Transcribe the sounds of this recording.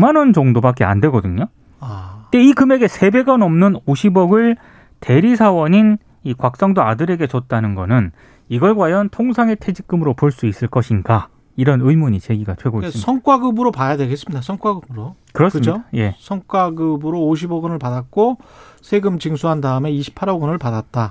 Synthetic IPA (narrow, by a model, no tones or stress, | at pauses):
manɯnd͡ʑʌŋdobak͈ea̰ndwe̞ɡʌdɯɲo | ateikɯme̞ɡe̞sʰe̞be̞ɡʌnʌmnɯnoɕʰibʌɡɯɭ | tʰe̞ɾisʰawʌɲin | ikwak̚s͈ʌŋdoadɯɾe̞ɡe̞t͡ɕʌt̚t͈anɯnɡʌnɯn | iɡʌɭɡwajʌntʰoŋsʰaŋe̞tʰe̞d͡ʑik͈ɯmɯɾopoɭs͈uis͈ɯɭk͈ʌɕʰinɡa | iɾʌnɯimuɲit͡ɕe̞ɡiɡatʰwe̞ɡoissʰʌŋk͈waɡɯbɯɾopajadweɡes͈ɯmɲidasʰʌŋk͈waɡɯbɯɾokɯɾʌs͈kɯɯmd͡ʑodaje̞sʰʌŋk͈waɡɯbɯɾoːɕ̬ʰibʌɡɯnɯɭpadat̚k͈osʰeɡɯmt͡ɕiŋsʰuɦandaɯme̞iɕʰi̥pʰaɾʌɡɯnɯɭpadat̚t͈a